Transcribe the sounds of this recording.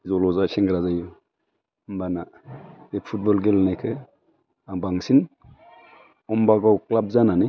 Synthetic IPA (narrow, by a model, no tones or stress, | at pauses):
zɔlɔzat͡ʃʰeŋɡɾazajo | mbanabepʰut̚bɔlɡelnajkʰɯ | abaŋsin | ɔmbaɡawklab̚zanani